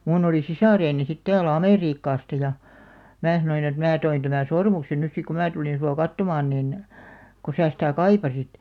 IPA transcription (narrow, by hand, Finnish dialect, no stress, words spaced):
muːn oli sisɑˑreːni sit tæːlæ̆ ɑmeˑriːkːɑːstɑ jɑ mæː sɑnoin et mæː toin tæmæn̞ sormuksen nys sik ko mæː tulin suɑ kɑtːomɑːn nin ko sæː sitæˑ kɑipɑsit